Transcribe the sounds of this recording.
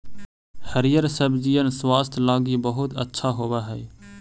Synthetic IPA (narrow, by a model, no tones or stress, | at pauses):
həɾijəɾsəbd͡ʒijənswaːst̪ʰlaːɡibəɦʊt̪ə̰tːʃʰaɦoːbaɦɛː